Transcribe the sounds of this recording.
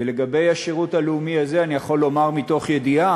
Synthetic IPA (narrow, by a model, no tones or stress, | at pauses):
ele̞ɡabe̞jaʃeʁutaleumiazeanijaχo̞lːo̞maʁmito̞χje̞dia